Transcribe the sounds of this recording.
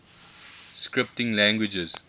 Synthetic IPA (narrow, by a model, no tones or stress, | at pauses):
skɹɪp̚tɪ̃ŋlæ̃ŋɡwɪd͡ʒəz